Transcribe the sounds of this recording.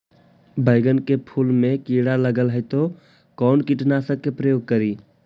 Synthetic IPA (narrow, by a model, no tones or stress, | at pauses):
bʱəɪɡənkepʰulmekiɽaləɡəlɦəjt̪o | kɔnkiʈnasə̃kepɾəjoɡ̚kəɾi